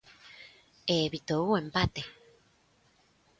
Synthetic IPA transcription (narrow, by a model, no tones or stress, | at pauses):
eβit̪ouempat̪e